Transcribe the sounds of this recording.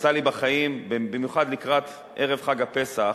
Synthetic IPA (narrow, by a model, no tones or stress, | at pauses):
t͡salibaχajimbbimjuχad̪likʁat̪ | ʔeʁevχaɡape̞sa